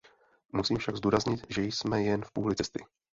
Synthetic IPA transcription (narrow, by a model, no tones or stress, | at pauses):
musiːmfʃaɡzd̪uːɾazɲɪt̪ʒɛjsmɛjɛnfpuːlɪt͡sɛst̪ɪ